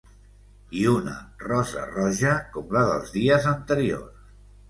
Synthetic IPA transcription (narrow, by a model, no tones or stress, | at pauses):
iunə̰rɔzə̰rɔʒəkɔmləðə̰lˠzðiəzənt̪əɾio̰rs